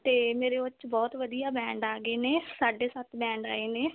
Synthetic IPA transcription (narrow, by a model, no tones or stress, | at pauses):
t̪eːmeːɾeːət͡ʃbɔːt̪ʋəd̪ijaːbɛ̃ːɳɖaːɡeːneːsaːɖeːsaːt̪ʰbɛ̃ːɳɖaːeːneː